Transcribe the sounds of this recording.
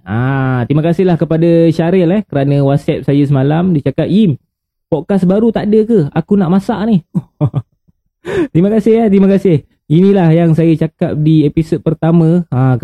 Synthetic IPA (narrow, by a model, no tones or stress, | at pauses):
at̪imə̃kasɪɦlahkəpadaʃaɾɛlɛhkəɾanə̃wat̪̚sɛp̚sajəs̬əmalamdit͡ʃakap̚jim | pɔkasbaɾut̪aʔdəkəakunaʔmasaʔnih | t̪ɾiməkasɪɦat̪iməkasɪh | inilahjaŋsajət͡ʃakap̚diepisod̪̚pərt̪amə̃a